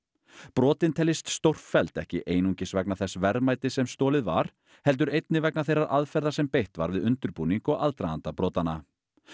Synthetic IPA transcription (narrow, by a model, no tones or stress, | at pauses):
pɾɔːt̪ɪnt̪ʰɛːlːɪst̪st̪owr̥ffɛlt̪ɛ̰hcɪʔeːjnuɲcɪsvɛknaθɛsvɛɾmaːjt̪ɪsɛmst̪oːlɪðva̰ɾ̥ | hɛlt̪̬ʏɾejt̪nɪvɛknaθejɾaðʔaðfɛɾðasɛmpejht̪va̰ɾvɪðʏnt̪ʏɾpuniŋkɔɣaðt̪ɾaa̰nt̪apɾɔːt̪ana